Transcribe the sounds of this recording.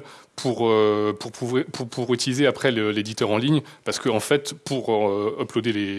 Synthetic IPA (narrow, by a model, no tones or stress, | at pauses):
pʰuʁøpuʁpuvepʰuʁpʰuʁyt̪ilizeapχɛləled̪it̪œʁɑ̃liɲpaʁsə̥kəɑ̃fɛt̪puʁøɔplod̪ele